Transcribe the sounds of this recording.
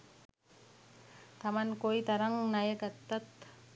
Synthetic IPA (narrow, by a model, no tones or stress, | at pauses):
t̪ɐmankoit̪ɐɾɐŋnajekɐt̪ːɐt̪